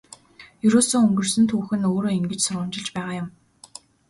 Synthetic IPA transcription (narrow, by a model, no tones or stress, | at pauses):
jɵɾoːsoːɵŋɡɵ̆rsɵ̆nt̪ʰuːxɘ̆noːɾoːiŋɡɘ̆t͡ɕsʊɾʁʊːmt͡ɕɪ̆ɮt͡ɕpæːʁaːjʊm